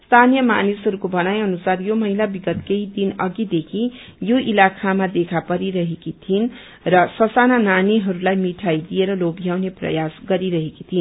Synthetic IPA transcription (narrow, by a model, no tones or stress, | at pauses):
st̪ʰanijʌma̰nisɦʌɾukobʌnajʌnusaɾjomʌɦilabiɡʌt̪kejd̪inʌɡid̪ekʰijoʔilakʰamad̪ekʰapʌɾiɾʌɦekit̪ʰin | rʌsʌsanananiɦʌɾulajmiʈʰajd̪ijeɾʌlobʱijawneprʌ̰jasɡʌɾiɾʌɦekit̪ʰin